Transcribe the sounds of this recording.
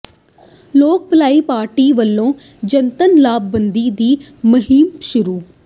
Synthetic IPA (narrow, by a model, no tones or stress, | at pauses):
loːk̚pəlaːiːpaːɾʈiːʋəlːõː | d͡ʒənt̪ənlaːbːənd̪iːd̪iː | məɦiːmʃʊɾuː